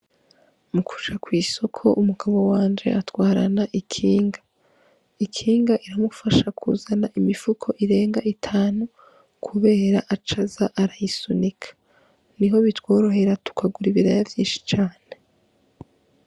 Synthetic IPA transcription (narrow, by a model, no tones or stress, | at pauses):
mukʰu̥t͡ʃakwiːso̞kʰo̞̰ʔumuɡaβo̞waːnd͡ʒe̞̰ʔatwaːɾanaʔikʰiːŋɡḁ | ikʰiːŋɡaʔiɾamufaʃakʰṵzanaʔimifukʰo̞ʔiɾe̞ːŋɡaʔitʰaːnu | kʰuβe̞ːɾaʔat͡ʃazaʔaɾajisunikʰḁ | niɦo̞βitwo̞ːɾo̞ɦe̞ɾatu̥kʰaɡuɾiβiɾajavjiːnʃi̥t͡ʃaːne̞